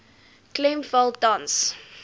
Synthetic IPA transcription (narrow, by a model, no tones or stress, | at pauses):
klɛmfəl̚ˠdãns